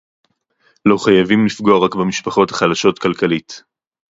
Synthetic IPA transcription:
lo̞χajavimlifɡo̞aʁakbemiʃpaχo̞thaχalaʃo̞tkalkalit

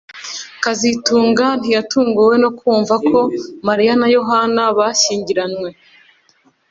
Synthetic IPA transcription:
kazituːŋɡan̥ijatuːŋɡuwe̞no̞kʰuːɱvakʰo̞maɾijanajo̞ɦanaβaʃiːɲɟiɾanwe̞

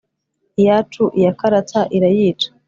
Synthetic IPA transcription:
ijat͡ʃuʔijakaɾataʔiɾajiːt͡ʃḁ

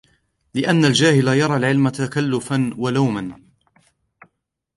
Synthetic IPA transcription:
lɪʔanːald͡ʒaːhɪlajɑɾˤɑːlʕɪlmat̪akalːʊfanwalawman

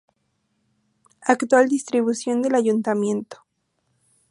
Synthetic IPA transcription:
akt̪wald̪ist̪ɾiβusjo̞nd̪e̞laʝunt̪amje̞nt̪o̥

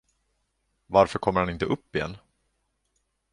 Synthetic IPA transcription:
vaɾfœɾkʰɔmːəɾhanɪnt̪əʔɵpːɪjɛ̰nː

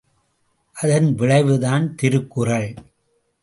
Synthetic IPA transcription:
ʔɐðɐnʋɪɭɐɪʋɯðaːnt̪ɪɾɯkːɯrɐɭ

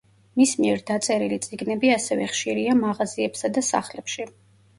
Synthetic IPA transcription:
mismiɛɾd̪at̪sʼɛɾilit̪sʼiɡnɛbiasɛvɛχʃiɾiamaʁaziɛpsad̪asa̰χlɛpʃi

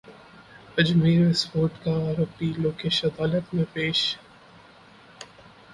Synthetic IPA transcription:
ɐd͡ʒmiːɾʋɪsfoːɾʈkaːɾəpiloːkeːʃɐd̪aːlət̪mẽpeːʃ

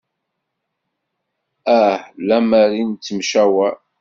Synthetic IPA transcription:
æhlæmæɾint͡s̪ːəmʃæwæ

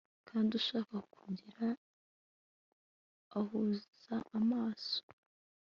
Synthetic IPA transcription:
kʰaːnduʃaːkakuɟiɾa | huzz̥aʔamaːso̥

